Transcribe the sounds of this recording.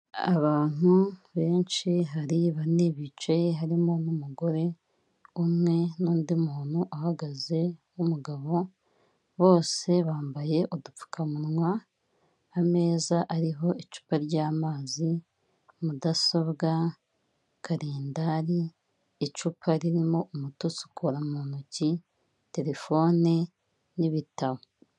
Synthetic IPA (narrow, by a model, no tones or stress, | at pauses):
a̰βaːn̥uβe̞ːnt͡ʃiɦaɾiβaneβit͡ʃajeɦaɾimo̞numuɡo̞ɾe̞ | umŋe̞nuːndimuːnuʔahaɡaze̞ | umuɡaβo̞ | βo̞ːse̞βaːmbaje̞ʔodup͡fu̥kʰamunŋwaː | me̞ːzaʔaɾiɦo̞it͡ʃu̥paɾɟaːmaːzi | mudaso̞βɡa | kʰaɾeːndaɾiː | t͡ʃupʰaɾiɾimo̞umutusu̥kʰuɾamuːnuci | te̞ɾe̞fo̞ni | niβitaβo